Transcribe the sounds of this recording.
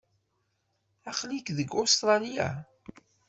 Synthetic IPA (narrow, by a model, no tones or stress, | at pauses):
æχlikðəɡost̪ɾˤɑlija̰